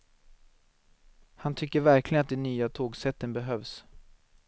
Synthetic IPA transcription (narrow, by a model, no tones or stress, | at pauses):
hant̪ʰʏkːəɾvæɾklɪɡənat̪d̪ɛnyːat̪ʰoːɡsɛt̪ːənbɛɦøːvs